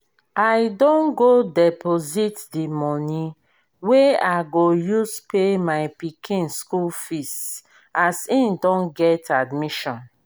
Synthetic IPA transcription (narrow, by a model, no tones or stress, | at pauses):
ajdõnɡodɛpʰozitdimɔni | weaɡojuspʰemaɪpikʰĩnskulfist | asĩndɔ̃nɡɛtadmiʃɔ̃n